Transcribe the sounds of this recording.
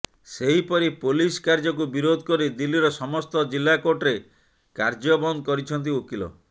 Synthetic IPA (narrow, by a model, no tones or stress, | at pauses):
seɦipɔɾipoliskaɾd͡ʒɔk̬ubiɾod̪ʱɔkɔɾid̪ilːiɾɔsɔmɔst̪ɔd͡ʒilːakoʈɾe | kaɾd͡ʒɔbɔnd̪kɔɾit͡ʃʰɔnt̪̬iokilɔ̰